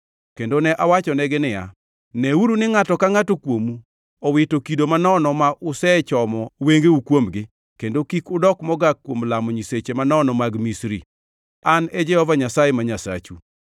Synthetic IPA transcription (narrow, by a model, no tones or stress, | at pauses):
kendonɛʔawat͡ʃɔnɛɡɪnɪja̰ | nɛuɾunɪŋatɔkaŋatokwomu | ɔwɪtokidomanɔnɔmaʔʊsɛt͡ʃɔmɔweŋɡeukwomɡɪ | kendokikʊdɔkmɔɡakːwomlamɔɲiset͡ʃemanɔnɔmaɡmisɾḭ | anɛd͡ʒɛhɔvaɲasajemaɲasa̰t͡ʃu